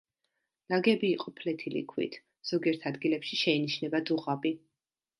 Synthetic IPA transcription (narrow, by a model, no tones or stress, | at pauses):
laɡɛbiːqʼɔpʰlɛt̪ʰilḭkʰwḭt̪ʰ | z̥ɔɡiɛɾt̪ʰad̪ɡilɛpʃiʃɛiniʃnɛbad̪zuʁabi